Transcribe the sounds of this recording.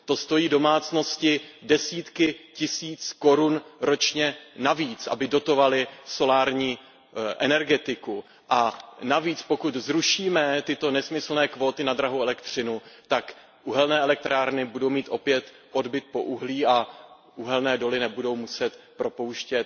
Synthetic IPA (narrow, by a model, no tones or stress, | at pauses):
t̪o̞st̪o̞jiːdo̞maːt͡sno̞scɪdɛsiːt̪kɪcɪsiːt͡sko̞ɾunɾo̞t͡ʃɲɛnaviːt͡sʔa̰bɪdo̞t̪o̞valɪso̞laːɾɲiː | ʔɛnɛɾɡɛt̪ɪku | ʔanaviːt͡spo̞kut̪zɾuʃiːmɛt̪ɪt̪o̞nɛsmɪsl̩nɛːkvo̞ːt̪ɪnad̪ɾaɦowɛlɛkt̪r̝̥ɪnut̪ak | ʔuɦɛlnɛːɛlɛk̚t̪ɾaːɾnɪbudo̞wmiːt̪ʔo̞pjɛt̪ | ʔo̞dbɪt̪̚po̞̰ʔuɦliːa | ʔuɦɛlnɛːdo̞lɪnɛbudo̞wmusɛt̪pɾo̞po̞wʃcɛt̪